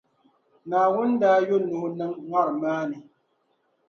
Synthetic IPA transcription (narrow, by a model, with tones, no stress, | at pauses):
naː˨wʊ˦ndaː˦jo˦nʊ˨hʊ˦nɨ˦ŋŋʷa˦ɾɨ˨maː˦nɨ˨